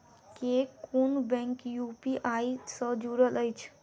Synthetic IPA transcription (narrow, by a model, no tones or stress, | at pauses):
kekunbɛ̃ŋkjupiʔajsəd͡ʒuɾələjt͡ʃʰ